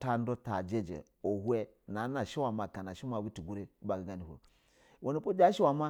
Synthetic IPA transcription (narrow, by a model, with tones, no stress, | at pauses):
ta˦n˦do˦ta̰˨d͡ʒe˦d͡ʒḛ˨ | o˨hu˦e˦ | na˨˦na˨ʃi˦wa˨ma˨ka˨na˨ʃi˦ma˨wi˦ti˨ɡu˦ɾe˦ba˨ɡi˨ɡa˦˨ni˨ho̰˨ | wo˨ni˨po˦d͡ʒa˦ʃi˦wa˨ma˦